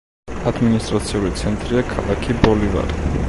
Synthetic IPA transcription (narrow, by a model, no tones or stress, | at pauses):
ad̪minist̪ʼɾat̪sʰiulit̪sʰɛnt̪ʼɾiakʰalˠakʰibɔliva̰ɾi